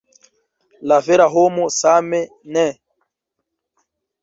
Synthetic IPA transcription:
lavɛɾaɦomɔsamɛ | nɛ

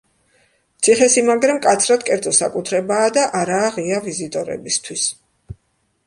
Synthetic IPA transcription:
t̪sʰiχɛsimaɡɾamkʼat̪sʰɾad̪kʼɛɾd̪zʼɔsakʼut̪ʰɾɛbaːd̪aʔaɾaːʁiavizit̪ʼɔɾɛ̰bist̪ʰwis

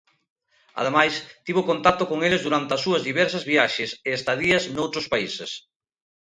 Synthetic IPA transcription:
ɐa̰ð̞emajst̪iβ̞okont̪at̪okoŋelezðuɾant̪eɐsuɐzðiβɛɾsɐzβiaʃeseest̪aðiɐznowt̪ɾospaises

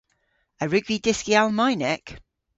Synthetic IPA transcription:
əɹʉɡvidɪskialˠmaɪnɛk

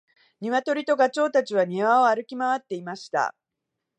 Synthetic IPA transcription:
ɲ̟iβat̪o̞ɾʲit̪o̞ɡat͡ɕo̞ːt̪at͡ɕiβaɲ̟iβao̞aɾɯ̟kʲimaβat̪ːe̞imaɕi̥t̪a̰

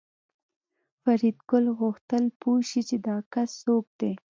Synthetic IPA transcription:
faɾid̪ɡʊlɣʊxt̪əlpoʃit͡ʃed̪ɑkasːok̚d̪̥e

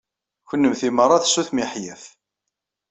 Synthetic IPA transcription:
çənːəmθimərˤːɑθsːuθmiħjæθ

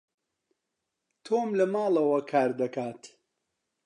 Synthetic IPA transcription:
t̪ʰoːmlɨmaːlɐwɐkʰaːɾd̪ɐkaːt̪

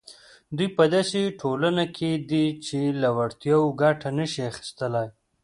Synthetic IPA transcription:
d̪ujpəd̪aseʈʰolanakʰed̪it͡ʃelawaɽt̪jawoɡaʈʰanəʃiaxi̥st̪əlaj

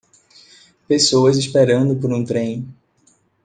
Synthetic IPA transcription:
pesoɐzispeɾɐ̃nd̪ʊpoɾũt̪ɾẽj̃

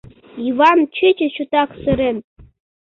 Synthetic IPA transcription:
ivɑnt͡ɕɨt͡ɕɘ̆ɕut̪ɑksɨɾĕn

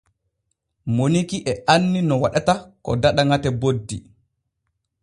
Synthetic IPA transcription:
monikiʔɛanːinɔwaɗatakɔ̰daɗaŋatɛbodːḭ

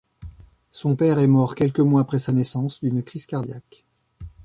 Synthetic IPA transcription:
sɔ̃pɛʁɛmɔʁkʲɛlkəmwaːpχɛsanɛsɑ̃sd̪ynkχiskaʁd̪jak

